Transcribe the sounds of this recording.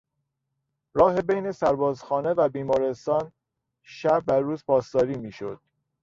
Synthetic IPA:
ɾɒːɦe̞bejne̞sæɾbɒːzxɒːne̞væbiːmɒːɾe̞st̪ɒːn | ʃæb̚ːæɾuːzpʰɒːst̪ɒːɾiːmiːʃo̞̰d̪̥

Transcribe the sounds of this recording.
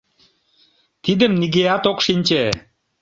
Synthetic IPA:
t̪id̪əmniɣeɑt̪okʃinʲt͡ɕe

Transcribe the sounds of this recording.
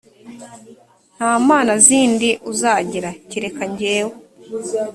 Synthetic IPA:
n̥haːmaːnaziːndiʔuzaːɟiɾaciɾe̞kaɲɟeːwo

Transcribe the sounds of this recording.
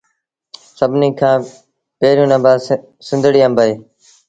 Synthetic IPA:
səbʱniːkʰãː | peːɾjũːnə̃ːbaː | sɪ̃nd̪ɽiːə̃mbəeː

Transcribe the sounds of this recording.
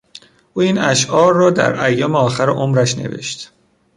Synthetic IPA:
ʔuːiːnæʃɒːɾːɒːd̪æ̰ɾæjːɒːmeɒːxæɾeʔomɾæʃne̞̰ve̞̰ʃt̪

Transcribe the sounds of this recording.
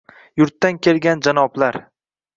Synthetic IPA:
jʊɾt̪ːankʲʰe̞lɡʲand͡ʒanɒblaɾ

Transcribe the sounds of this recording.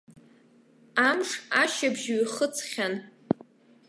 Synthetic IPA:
amʂaʃabʒɥiχət͡sʰχʲan

